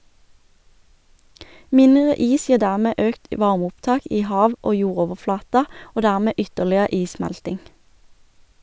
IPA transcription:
ˈmɪnʁə ˈiːs ˈjiːʁ ˈdæʁmeː ˈøːkt ˈʋɑʁmʊpˌtɑːk ˈiː ˈhɑːʋ ˈoː ˈjuːʁoːʋəˌflɑːtɑ ˈoː ˈdæʁmeː ˈʏtəʁlɪə ˈiːˌsmɛltɪŋ

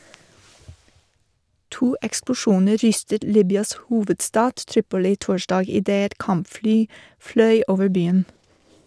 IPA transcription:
ˈtuː ɛksplʊˈʃuːnə ˈɾʏstət ˈliːbʏɑs ˈhuːʋədˌstɑːd ˈtɾiːpʊlɪ ˈtoːʃdɑːɡ ɪˈdeː ˈɛt ˈkɑmpˌflyː ˈflœʏ ˈoːʋəɾ ˈbyːən

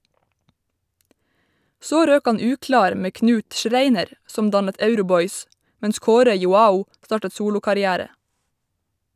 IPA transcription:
ˈsoː ˈɾøːk ˈɑn ˈʉːklɑːɾ ˈmeː ˈknʉːt ˈʃɾeɪnəɾ ˈsɔm ˈdɑnət ˈœʉɾʊˌbɔʏs ˈmɛns ˈkoːɾə jʊˈɑːʊ ˈstɑːʈə ˈsuːlʊkɑɾɪˌæːɾə

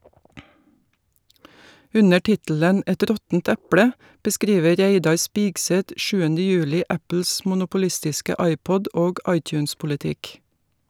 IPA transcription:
ˈʉnə ˈʈɪtələn ˈʔɛt ˈɾɔtn̩t ˈæplə bəˈskɾiːʋə ˈɾæɪdɑɾ ˈspiːɡsɛt ˈʔʃʉːənə ˈjʉːlɪ ˈʔæpl̩s mʊnʊpʊˈlɪstɪskə ˈʔɑɪˌpɔd ˈoːɡ ˈʔɑɪˌtjʉːnspʊlɪˌtɪk

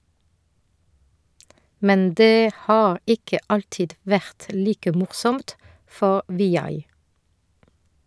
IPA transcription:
ˈmɛn ˈdeː ˈhɑːʁ ˈɪkə ˈɑltɪd ˈʋæʁt ˈliːkə ˈmʊʁsɔmt ˈfɔʁ ʋɪˈjɑɪ

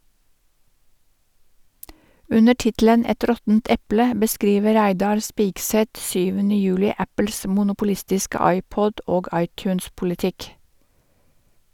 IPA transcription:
ˈʉnə ˈʈɪtlən ˈɛt ˈɾɔtənt ˈɛplə bəˈskɾiːʋə ˈɾæɪdɑɾ ˈspɪɡsɛt ˈsyːʋənə ˈjʉːlɪ ˈæpl̩s mʊnʊpʊˈlɪstɪskə ˈɑɪˌpɔd ˈoːɡ ˈɑɪˌtjʉːnspʊlɪˌtɪk

